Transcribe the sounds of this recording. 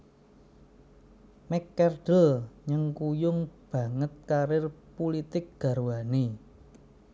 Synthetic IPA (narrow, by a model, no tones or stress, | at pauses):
mɛkːɛrd̥əlɲəŋkujʊŋb̥ä̤ŋət̪̚kaɾɪrpulit̪ɪk̚ɡ̥ä̤ɾuwani